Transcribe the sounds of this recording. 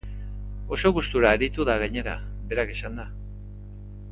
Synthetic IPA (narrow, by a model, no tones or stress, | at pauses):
o̞so̞ɣust̪uɾaːɾit̪uðaɣ̞aɲe̞ɾa̰ | be̞ɾakesand̪a